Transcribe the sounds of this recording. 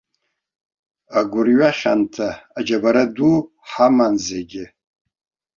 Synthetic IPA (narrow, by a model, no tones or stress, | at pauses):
aɡʷʊrɥaχʲantʰaːd͡ʒabaɾadu | ħamanzeɡʲɪ